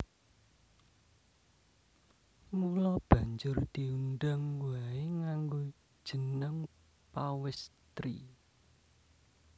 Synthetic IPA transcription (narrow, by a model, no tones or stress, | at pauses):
ŋulɔb̥ä̤ɲd͡ʒʊrd̪̥i̤unɖaŋwaeŋaŋɡo | d̥ʒ̥ə̤nəŋ | pawɪst̪ɾḭ